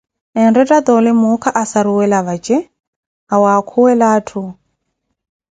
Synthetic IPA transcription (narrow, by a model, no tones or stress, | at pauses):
ɛnrɛtʼad̪ɔlɪmukʰaʔasaɾuwɛlaβat͡ʃʼɛ | awakʰuwɛlaːtʰu